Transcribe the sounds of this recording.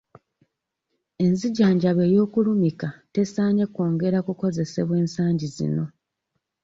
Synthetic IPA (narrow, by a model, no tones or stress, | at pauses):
e̞nziɟaːɲɟaβe̞ːjo̞ːkulumikate̞saːɲe̞ko̞ːŋɡe̞ɾakuko̞ze̞se̞βwe̞ːnsaːɲɟizḭno̞